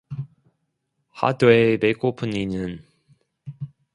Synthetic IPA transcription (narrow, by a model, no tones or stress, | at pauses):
ha̰doemekopʰuninɯn